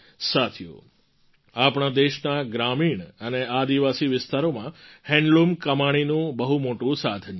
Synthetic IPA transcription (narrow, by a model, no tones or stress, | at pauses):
sat̪ʰijo̰ | apɳ̃ad̪eʃnaɡɾamiɳənead̪iʋasiʋɪst̪aɾomãhɛ̃ɳɖlumkəmaɽ̃inũbəɦumoʈũsad̪ʰn